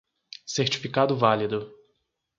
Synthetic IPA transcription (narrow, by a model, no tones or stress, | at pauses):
seɾt͡ʃi̥fikad̪ʊvalid̪ʊ